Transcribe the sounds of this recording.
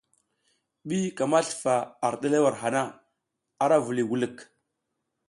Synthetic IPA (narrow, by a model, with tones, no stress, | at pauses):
ɓi˦ka˨ma˦ɬfa˨a˨ɾɗa˦la˦wa˨ɾɦa˨na˦ | a˦ɾa˦vu˨li˨wu˦lə˦˨k